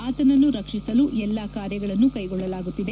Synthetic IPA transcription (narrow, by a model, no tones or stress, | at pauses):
aːt̪ɐnɐnːuɾɐkʂisɐluʔɛlːɐkaːɾjɐɡɐɭɐnːukɐjɡɔɭːɐlaːɡut̪ːid̪e̞